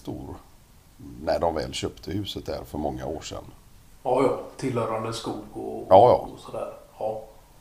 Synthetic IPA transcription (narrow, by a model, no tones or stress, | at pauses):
t̪uːɾ | næɖɔmvɛ̰ːlɕøːpt̪ʰəhʉ̟ːsət̪̚d̪æ̰ɾfœɾmɔŋːa̰oːʂɛ̰nː | ɑjɑːt̪ʰɪlːhœːɾand̪əskuːlɡo̰ɑːjɑ̰ːsɔd̪æ̰ːɾɑː